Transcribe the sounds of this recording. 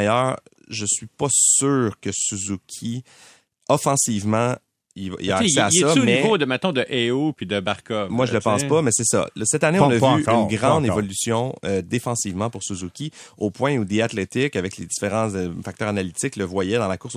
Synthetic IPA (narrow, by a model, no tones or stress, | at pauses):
jœːʁ | ʒəsɥipʌsyːʁkəsuzukʲʰi | ɔfɑ̃sivmɑ̃ | iv̰ḭlaːksɛaɛʌmɛivod̪əmɛ̃t̪̚nɔ̃d̪əʔɛopid̪əbaʁkɔmmwaʒələpɑ̃spʌmɛsɛsʌ̰lsɛt̪anẽɔ̃nəvyːnɡʁɑ̃d̪evɔlysjɔ̃ød̪efɑ̃siːvmɑ̃pʊʁsuzukʲiopwɛ̃ud̪eat̪let̪ɪkavɛkledd͡z̪i̥feʁɑ̃fak̚t̪œːʁanalit̪ɪkləvwajɛd̪ɑ̃lakʊʁs